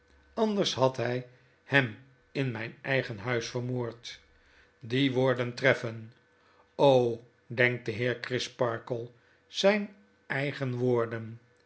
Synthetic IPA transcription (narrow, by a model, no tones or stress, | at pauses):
ɑnd̪əɹshɑtɦɛj | hɛm | ɪnmɛjnɛjχənɦœɥsfəɹmoːɹt | diʋoːɹdəntrɛfən | ow | dɛŋk̚dəɦɪːɹkrɪspɑɹkəlˠ | z̥ɛjn | ɛjχənʋoːɹdən